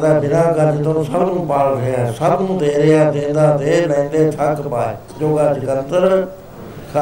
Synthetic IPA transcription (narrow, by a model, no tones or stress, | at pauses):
d̪aːbɪnãːkad͡ʒɪt̪ə̃səbnũːpaːlɾejãːsəbnũːt̪eːɾɪjaːt̪ẽːnd̪aːt̪eːlɛ̃ĩnd̪eːt̪ʰəkpaː | d͡ʒoːɡaːd͡ʒɪkət̪əɾ | k